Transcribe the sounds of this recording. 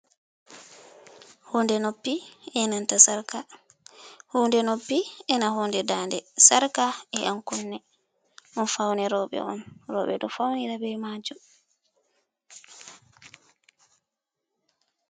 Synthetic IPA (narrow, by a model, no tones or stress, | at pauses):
hundɛnopːiɛnantasaɾka | huːndɛnopːiɛnahundɛdandɛsaɾkaɛʔankɔnːɛ | ʔɔnfawnɛɾɔɓɛ̰ʔɔnɾɔ̰ɓɛ̰ɗɔfawniɾabɛjmad͡ʒɔ